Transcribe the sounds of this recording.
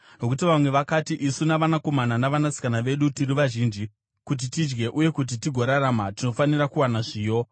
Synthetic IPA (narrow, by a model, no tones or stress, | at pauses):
no̞kut̬iʋamwe̞ʋakatiʔisunaʋanako̞mananaʋanasi̥kanaʋe̞ɗutiriʋaʒiːnd͡ʒi | kut̬itid͡ʒɡe̞ʔuje̞kut̬itiɡʱo̞ɾaɾamatino̞fanirakuwanaʐiːjo̞